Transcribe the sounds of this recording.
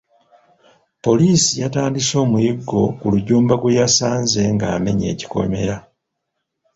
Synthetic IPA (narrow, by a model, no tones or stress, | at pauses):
po̞liːsijataːndiso̞ːmujiɡːo̞kuluɟuːmbaɡwejasaːnze̞ŋɡaːme̞̰ɲe̞̰ːci̥ko̞̰me̞̰ɾa